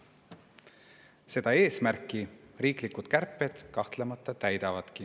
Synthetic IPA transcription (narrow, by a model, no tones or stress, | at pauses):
se̞d̪̥ɑe̞ːsmærkˑːiriːklikud̪̥kærpːˑe̞d̪̥kɑht̪lemɑt̪ˑːɑt̪æjd̪̥ɑvɑd̪̥ki